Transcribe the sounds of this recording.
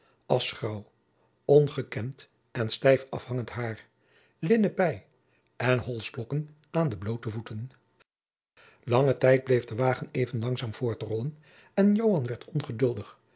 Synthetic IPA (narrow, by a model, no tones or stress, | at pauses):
ʔɑsχrɑw | ɔnχəkɛmt | ɛnstɛjfɑ̰fhɑŋəntɦaːɹ | lɪnəpɛj | ʔɛnɦɔlˠzblɔkən | ʔaːndəblowtəvutən | lɑŋətɛjd̚blejvdəʋaːχənejvənlɑŋzaːmv̥ʊːɹtərɔlən | ɛnjowɦɑnʋɛɹtʰɔnχədɵlˠdəχ